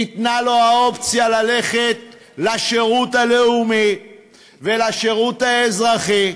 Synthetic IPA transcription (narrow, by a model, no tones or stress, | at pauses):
it̪nalo̞ao̞pt͡sjalale̞χe̞t̪̚ | laʃeʁut̪ale̞umi | velaʃeʁut̪aezʁaχi